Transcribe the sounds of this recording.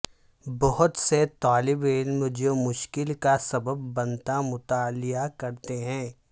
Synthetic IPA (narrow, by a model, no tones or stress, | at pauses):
bɔɦʊt̪set̪aːlɪbɪlmd͡ʒomʊʃkɪlkasɐbəbːɐ̃nt̪amʊt̪aːlɪjakɐɾt̪eɦɛ̃ː